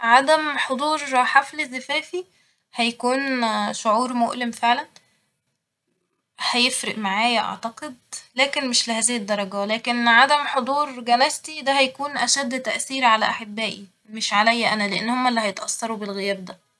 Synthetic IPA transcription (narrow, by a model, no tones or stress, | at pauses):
ʕad̪æmħod̪ˤuːɾˤħaflezːæfæːfi | hæjækuːnʃoʕuːɾmoʔlemfeʕlæn | hæjefɾeʔmaʕaːjæʔɑ̰ʕt̪ɑqed̪̚læːkenmeʃlehæːzɪhɪd̪ˤːɑɾˤɑɡælæːkenʕad̪æmħod̪ˤuːɾɡænæst̪id̪æhæjækuːnʔæʃæd̪ːt̪æʔθiːɾʕalæʔaħebːæːʔi | meʃʕalæjːæʔænæleʔenːhomːælːihɑjet̪ʔɑsːɑɾubelɣejæːb̚d̪æ